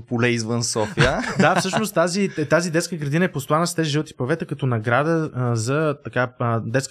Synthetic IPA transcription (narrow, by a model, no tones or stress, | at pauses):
polɛizvənsɔfiəd̪afsɤʃnost̪ːaziɛt̪azid̪ɛt̪skəɡɾɐd̪inəɛpost̪ʊanəst̪ɛziʒilˠt̪i̥pɐvɛt̪əkɐt̪onɐɡɾad̪əzɐt̪ɐkad̪ɛt̪sk